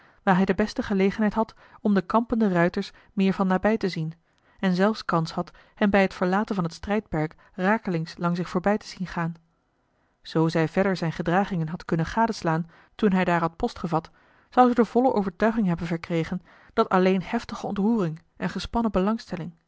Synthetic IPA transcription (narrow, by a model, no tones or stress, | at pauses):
ʋaːɹɦɛjdəbɛstəχəlejχənɦɛjtɦɑt | ɔmdəkɑmpəndərœɥtəɹs | mɪːɹvɑnːaːbɛjtəzin | ɛnzɛlˠfskɑnshɑt | hɛmbɛjɦətfəɹlaːtənvɑnɦətstrɛjt̚pɛɹk | raːkəlɪŋslɑŋs̬ɪχfoːɹbɛjtə̥z̥inχaːn | z̥owzɛjvɛɹdəɹzɛjnχədraːχɪŋənɦɑtkɵnənχaːdəslaːn | tunɦɛjdaːɹɦɑt̚pɔstχəvɑt | z̥ɑwzədəv̥ɔləʔo̰wvəɹtœɥχɪŋɦɛbənvəɹkrejχən | d̥ɑtɑlejnhɛftəχəɔ̰ntruːrɪŋ | ʔɛnχəspɑnəbəlɑŋstɛlɪŋ